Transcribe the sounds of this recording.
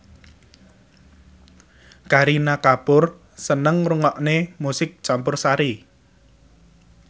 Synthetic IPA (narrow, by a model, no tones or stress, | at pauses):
kaɾinakapʊr | sənəŋruŋɔʔnemusɪk̚t͡ʃampʊrsaɾi